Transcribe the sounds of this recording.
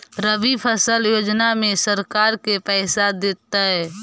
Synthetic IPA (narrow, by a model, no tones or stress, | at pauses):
ɾəbipʰəsəljoːd͡ʒnamẽsəɾkaːɾkepɛːsad̪eːt̪ːaɦɛː